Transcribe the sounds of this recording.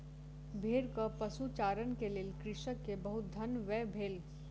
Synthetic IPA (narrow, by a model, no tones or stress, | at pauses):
bʱeːɾkəpɐsut͡ʃaːɾənkeleːlkɾɪʃəkːebɐɦʊt̪̚d̪ʱɐnʋɛːbʱeːl